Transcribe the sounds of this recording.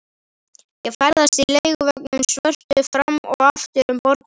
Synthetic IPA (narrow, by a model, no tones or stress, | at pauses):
jɛɣfaɾðasilejɣvœk̚nʏmsvœr̥t̪ʏfɾamːɔ̰ɣaft̪ɪɾʏmpɔɾt̪n